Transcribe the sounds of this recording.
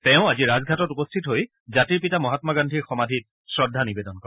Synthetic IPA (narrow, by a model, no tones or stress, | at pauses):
tɛʊ̃aziɹazɡʱatɔtupɔstʰitɦoj | zatiɹpitamɔɦatmɔɡandʱiɹxɔmadʱit̚ | sɹɔdʱːanibedɔnkɔ